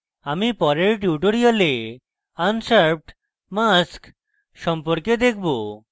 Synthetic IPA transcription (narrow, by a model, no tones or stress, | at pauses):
amipɔɾeɾʈjuʈoɾiale | ansaɾb̚ɖ | mask | ʃɔmpoɾked̪ekʰbo